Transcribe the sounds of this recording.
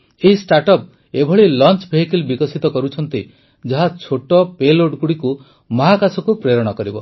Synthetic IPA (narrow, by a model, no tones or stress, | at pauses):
eɦisʈaɾʈɔp̚ | ebʱɔɭilɔnt͡ʃbʱeɦikilbikɔsit̪ɔkɔɾut͡ʃʰɔnt̪i | d͡ʒɔɦat͡ʃʰoʈɔpeloɖkuɽiku | mɔɦakasʰɔkupɾeɾɔɽ̃ɔkɔɾibɔ